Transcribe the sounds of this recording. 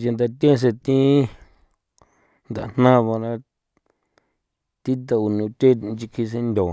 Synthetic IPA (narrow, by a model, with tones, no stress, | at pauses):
ja˧nd̪a˧t̪ẽ˦˧s̬e˧t̪ĩ˦ | nd̪a̰˨˧˨n̥nã˦˧βõ˧ɾa˧ | t̪i˦t̪̬a˧u˨nũ˨˧t̪e˦˧nt͡ʃi˧kʰi˧s̬e˦˧nd̪ʲõ˨